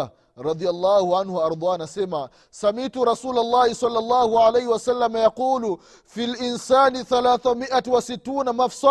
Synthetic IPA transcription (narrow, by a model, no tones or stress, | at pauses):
ɾˤɑd̪ialˤːɑːhuʕanhuɑɾˤd̪ˤaːnasɛma | samituɾɑsuːlalːɑːhisˤɑlːɑlˤːɑːhuʕalajhiwasalːamajaquːlu | filʔinsaːniθalaːθamiʔatwasitːuːnamafsa